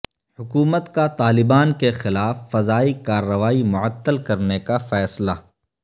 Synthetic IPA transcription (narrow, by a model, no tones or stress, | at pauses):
hʊkuːmət̪kat̪aːlɪbaːnkexɪlaːfːɐzaːikaːɾːɐʋaːimʊʕət̪ːəlkɐɾnekafɛːsla